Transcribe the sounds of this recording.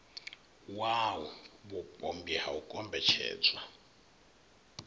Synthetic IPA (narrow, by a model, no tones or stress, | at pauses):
wawɔβupʼombiɦaukʼɔmbɛt͡ʃʰɛ̰ːd͡zwa